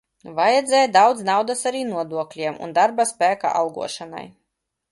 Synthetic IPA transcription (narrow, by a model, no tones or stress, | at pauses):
vajɛd̪zɛːjd̪awd̪znawd̪asaɾiːnuɔd̪uɔklʲiɛmṵnd̪aɾbaspʲæːka̰ʔa̰lˠɡṵɔʃana̰j